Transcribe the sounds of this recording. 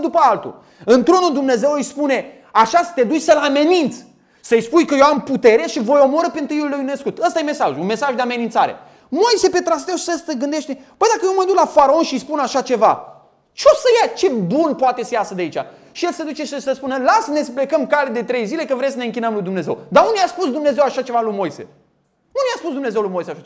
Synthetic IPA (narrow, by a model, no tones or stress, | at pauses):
d̪upəalt̪ṵ | ɨnt̪ɾo̞nuld̪umne̞ze̞wɨjspune̞ | aʃasə̥t̪e̞d̪ut͡ʃʲsəlame̞nint̪sʲ | səjspujkəjewamput̪e̞ɾeʃivo̞jo̞moɾəpent̪ɨjulːujuneskut̪əst̪ajeme̞saʒunme̞saʒd̪e̞ame̞nint̪saɾe̞̰ | moise̞pe̞t̪ɾas̬t̪ewi̥sest̪eɡɨnd̪eʃt̪epəjd̪akəjewməd̪uklafaɾao̞nʃijspunaʃat͡ʃe̞va̰ | t͡ʃeo̞səjat͡ʃe̞bunpoat̪e̞səjasəd̪eait͡ʃa̰ | ʃijelsed̪ut͡ʃesisəspunəlasənesəple̞kəmkaled̪e̞t̪ɾe̞jzile̞kəvɾemsəne̞ɨŋkʲinəmlujd̪umne̞zḛwd̪aunejaspusd̪umne̞zewaʃat͡ʃe̞valujmo̞jse̞̰ | nunjaspus̬d̪umne̞zewlujmo̞jseaʃae